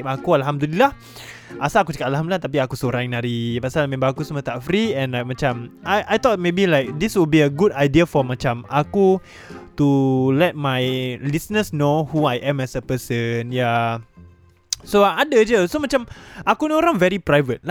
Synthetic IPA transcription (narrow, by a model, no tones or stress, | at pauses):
akualɦamd̪ulilah | ʔasaakut͡ʃə̥katalhamdulat̪ap̬iakusoɾãŋnaɾipasalmɛ̃mbaakusəmət̪aʔfɾiɛ̃nlajk̚mat͡ʃamʔajʔajt̪ɔt̚mebilajk̚d̪iswil̚biəɡudajdiəfɔmat͡ʃamaku | tulɛt̚majlisnəsnohuajʔɛ̃mɛsəpəsənja | soadəd͡ʒəsomat͡ʃamʔakunoɾãŋvɛɾipɾajvət̚l